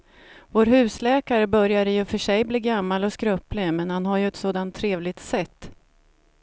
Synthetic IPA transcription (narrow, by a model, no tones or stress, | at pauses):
voːɾɦʉ̟ːslɛːkaɾəbœɾjad̪əjɵfœʂɛjbliːɡamːalɔskɾœplɪmɛnhanɦaɾjɵɛt̪soːd̪ant̪ʰːɾeːvlɪɡ̚t̪sɛt̪ː